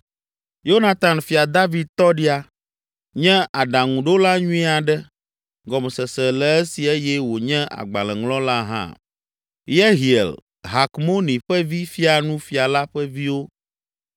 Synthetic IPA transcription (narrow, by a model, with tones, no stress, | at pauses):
jo˦na˦t̪a˨nfi˨a˨d̪a˦vi˨d̪̚t̪ɔ˦ɖi˦a˨ | ɲɛ̃˦ʔa˨ɖa˨ŋũ˨ɖo˦la˦ɲũ˦ĩ˦a˨ɖɛ˦ | ɡɔ˨m˨sɛ˨sɛ˨lɛ˨ɛ˦si˨e˦jɛ˦wo˨ɲɛ̃˦ʔa̰˨ɡ͡ba̰˨lɛ̃˨ŋlɔ̃˦la˦ɦã̰˦˨ | je˦ɦi˨ḛ˨l | ɦa˨kmo˦nĩ˨ɸɛ˦vi˦fi˦a˨nũ˦fi˨a˨la˦ɸɛ˦vi˦wo˦